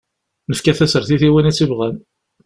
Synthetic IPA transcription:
nəfkæθæsəɾθiθiwinæt͡sːivʁæn

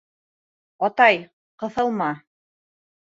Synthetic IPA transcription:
ɑt̪ɑj | qɤ̆θɤ̆lˠmɑ

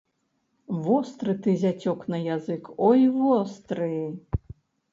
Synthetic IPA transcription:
vɔst̪ɾɨt̪ɨzʲat͡sʲɔknɐjazɨkɔjvɔst̪ɾɨ

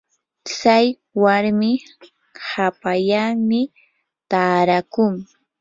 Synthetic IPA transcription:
t͡saj | waɾmɪ | hapaʎaŋmɪ | t̪aːɾakʊŋ

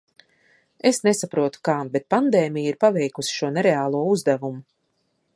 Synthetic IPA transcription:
esnesapɾuɔt̪u̥kaːbet̪̚pand̪ɛːmijiɾpavɛjkusi̥ʃuɔneɾeaːlˠuɔuzd̪avumu

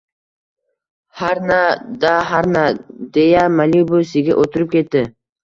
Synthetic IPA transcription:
haɾnad̪aɦaɾnad̪ejamalibosɪɡʲa̰ʔot̪ʰʊɾɪp̚kʲʰe̞t̪ːɪ

